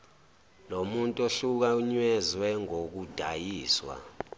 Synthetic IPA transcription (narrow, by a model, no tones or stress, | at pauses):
lomuntʼoɬuk̬auɲwɛzwɛŋok̬ud̥ʱajiːswa̰